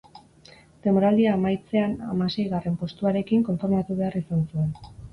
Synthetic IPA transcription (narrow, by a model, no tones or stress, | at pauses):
t̪e̞moɾald̪iaːmajt͡se̞ana̰mase̞jɣare̞mpo̞st̪uaɾe̞kiŋko̞ɱfoɾmat̪uβe̞arisansue̞n